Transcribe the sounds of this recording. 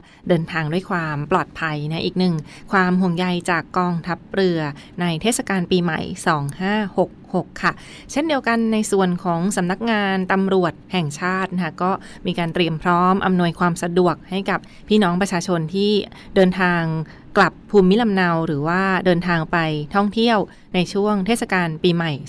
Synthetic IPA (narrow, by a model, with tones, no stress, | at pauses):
dɤː˧nt̪ʰaː˧ŋdu˥˩əjkʰwaː˧mplɔː˨˩t̪̚pʰa˧jna˦˥ʔiː˨˩k̚nɯ˨˩ŋ | kʰwaː˧mɦo˨˩ŋja˧jt͡ɕaː˨˩kːɔː˧ŋt̪ʰa˦˥p̚ɾɯ˧ɐ | na˧jt̪ʰeː˥˩t̪̚sa˧kaː˧npiː˧ma̰˨˩˦jsɔː˩˦ŋhaː˥˩ho˨˩k̚ho˨˩kʰːa˥˩ | t͡ɕʰe˥˩ndi˧əwka˧nːa˧jsu˨˩ənkʰɔː˩˦ŋsa˩˦mna˦˥k̚ŋaː˧nt̪a˧mɾu˨˩ət̪̚hɛ˨˩ŋt͡ɕʰaː˥˩t̪̚na˦a˥˩kɔː˥˩ | miː˧kaː˧nt̪ɾi˧əmpʰɾɔː˦˥mʔa˧mnu˧əjkʰwaː˧msa˧du˨˩ək̚ha˥˩jka˨˩p̚ʰːiː˥˩nɔː˦˥ŋpɾa˧t͡ɕʰaː˧t͡ɕʰo˧nt̪ʰiː˥˩ | dɤː˧nt̪ʰaː˧ŋ | kla˨˩pʰːuː˧mːi˦˥la˧mna˧wɾɯː˩˦waː˥˩dɤː˧nt̪ʰaː˧ŋpa˧jt̪ʰɔ˥˩ŋt̪ʰi˥˩əw | na˧jt͡ɕʰu˥˩əŋt̪ʰeː˥˩t̪̚sa˧kaː˧npiː˧ma˨˩j